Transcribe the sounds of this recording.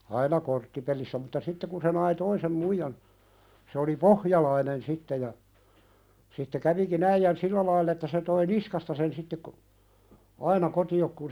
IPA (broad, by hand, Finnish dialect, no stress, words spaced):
ɑinɑ kortːipelisːæ mutːɑ sitːe kun se nɑi toisem muijɑn se oli pohjɑlɑinen sitːe jɑ sitːe kæʋikin æijæn silːæ lɑilː etːæ se toi niskɑstɑ sen sitːe ko ɑinɑ kotiok kun